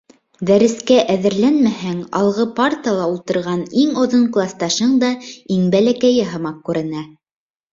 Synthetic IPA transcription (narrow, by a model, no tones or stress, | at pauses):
d̪æɾɘ̆skæʔæðɘ̆ɾlænmæhæŋɑ̰lˠʁɤpart̪əlˠɑulˠt̪ɤ̆ɾʁɑniŋŏðoɴklˠɑst̪ɑʃɤɴd̪ɑiŋbælækæjɘɦɤ̆mɑq̚kʉɾɘ̆næ